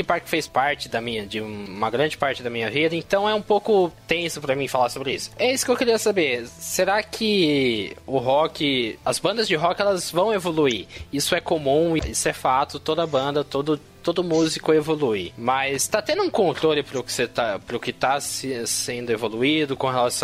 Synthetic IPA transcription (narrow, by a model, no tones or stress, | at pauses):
ɪpaɾkɪ̥fejspaɾt͡ʃɪd̪ɐmĩɲɐd͡ʒɪũũmɐɡɾɐ̃nd͡ʒɪpaɾt͡ʃɪd̪ɐmĩɲɐvid̪ɐẽnt̪ɐ̃w̃ɛũpowkʊt̪ẽsʊpɾɐmĩfalaɾsobɾɪisʊ̥ɛisʊ̥kewkiɾiɐsabeɾseɾakʰɪ | ʊɦɔkɪɐzbɐ̃nd̪ɐzd͡ʒɪɦɔkɪɛlɐzvɐ̃w̃evoluiisʊɛkomũiisʊɛfat̪ʊt̪od̪ɐbɐ̃nd̪ɐt̪od̪ʊ | t̪od̪ʊmuzikʊevoluimɐst̪at̪ẽnd̪ʊũkõnt̪ɾolɪpɾʊkɪ̥set̪apɾʊkɪt̪asɪsẽnd̪ʊevoluid̪ʊkõɦelasɐ̃